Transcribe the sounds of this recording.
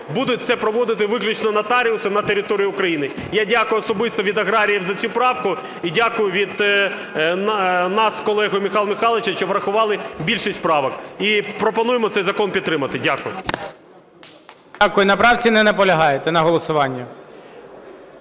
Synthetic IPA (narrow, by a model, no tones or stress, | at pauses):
bud̪ʊt̚ʲt̪sɛpɾɔʋɔd̪ɪt̪ɪʋɪklʲʊt͡ʃnɔnɐt̪ɑɾʲiʊsɐnɐt̪eɾʲɪt̪ɔɾʲijʊʊkɾɐjinɪjadʲakʊjʊːɔsɔbɪst̪ɔʋʲid̪ɐɣɾɑɾʲijiwzɐt͡sʲupɾɑwkʊ | idʲakʊjʊʋʲid̪ | nnɑskɔlˠɛɦʊjmʲixɑlˠmʲɪxɑlˠɪt͡ʃɐʃt͡ʃɔʋɾɐxʊʋɑlˠɪbʲilʲʃisʲt̪ʲpɾɑʋɐkipɾɔpɔnujemɔt̪ɛjzɐkɔnpʲid̪̚t̪ːɾɪmɐt̪ɪdʲakʊjʊ | akʊjʊnɐpɾɑwt͡sʲinɛnɛpɔlʲɐɦɑjet̪ɛnɐɦɔlˠɔsʊʋɑnʲːɐ